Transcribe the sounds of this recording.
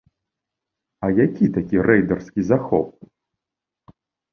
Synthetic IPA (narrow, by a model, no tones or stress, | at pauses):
ɐjakʲit̪akʲiɾɛjd̪ɐrskʲizaxɔp̚